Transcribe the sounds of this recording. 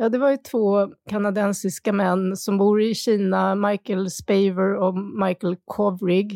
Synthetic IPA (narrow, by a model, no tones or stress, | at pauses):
jɑːd̪ɛvaɾjɵt̪ʰvoːkʰanad̪ɛnsɪskamɛnːsɔmbuːɾɪɕiːnamajkəlspɛɪvəɾɔmajkəlkʰɔvɾɪɡ